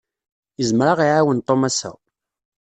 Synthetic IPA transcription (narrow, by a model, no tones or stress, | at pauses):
jəzmɾaʁiʕawənt̪ˤomæsːæ̰